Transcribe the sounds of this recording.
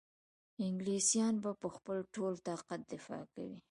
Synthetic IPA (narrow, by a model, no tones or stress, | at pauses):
ɪŋɡlisjɑnbapəxpəlʈolt̪ɑqat̪̚d̪ɪfɑ̰ka̰wi